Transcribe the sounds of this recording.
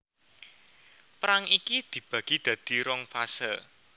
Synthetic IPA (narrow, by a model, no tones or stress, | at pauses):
pɾaŋikid̪̥i̤b̥ä̤ɡ̥i̤d̪̥ä̤d̪̥i̤ɾɔŋfasəl